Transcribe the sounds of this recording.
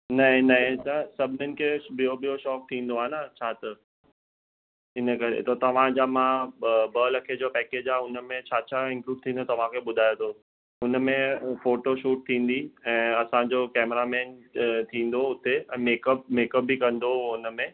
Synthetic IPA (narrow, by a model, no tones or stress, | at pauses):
nɐɦɪ̃nɐɦɪ̃t̪asɐbʱɪnənɪ̆kʰeɓijoɓijoʃɔːk̚t̪ʰĩːn̆d̪oaːɦenat͡ɕʰaːt̪ɐ | ɪnəkɐɾḛt̪ot̪ɐʋ̤ãd͡ʑamãbɐlɐkʰed͡ʑopɛːkeːd͡ʑaːʊnəmẽt͡ɕʰaːt͡ɕʰaɪ̃ŋkluːɖ̚t̪ʰĩːnd̪ot̪ɐʋ̤ãkʰeɓʊd̪ʱaːjot̪ʰo | ʊn̆mẽfoːʈoʃuːʈ̚t̪ʰĩːn̆d̪iɛ̃ːɐsãd͡ʑokɛːmɾamɛ̃ːnt̪ʰĩːn̆d̪oʊt̪eɛ̃ːmeːkəp̚meːkəp̚bikɐ̃nd̪oʊnə̆mẽ